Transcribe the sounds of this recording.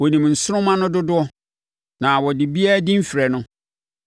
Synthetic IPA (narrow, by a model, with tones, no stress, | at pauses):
wɔ˨nĩ˨mn̩˨sʊ˦ɾʊ̃˦mã˦nʊ̃˦dʊ˦dʊ˦ɔ˦ | nã˨wɔ˨dɪ˨bi˦a˦dɪ̃˦m̩˦fi˨ɾɛ˨nʊ̃˦